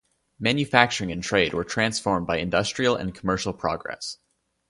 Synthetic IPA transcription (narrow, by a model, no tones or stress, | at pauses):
mæ̃njɨfæk̚t͡ʃə˞ɪ̃ŋɨ̃ntʰɹ̥eɪd̚wə˞tʰɹ̥æ̃nsfɔɹmbaɪɨ̃ndʌstɹ̥il̩ˠə̰̃nkʰəmɜ˞ʃl̩ˠpʰɹ̥ɑ̰ɡɹɛ̰s